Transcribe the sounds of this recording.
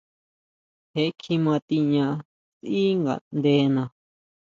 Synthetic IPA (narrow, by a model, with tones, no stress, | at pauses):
he˧˦kʰi˧mã˧t̪i˧ɲã˧ | si˦ŋɡa̰˨nd̪e˧˦nã˧